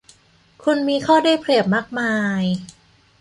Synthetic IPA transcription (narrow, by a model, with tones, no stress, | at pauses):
kʰu˧nmiː˧kʰɔː˥˩daː˥˩jpʰli˨˩əp̚maː˥˩k̚maː˧j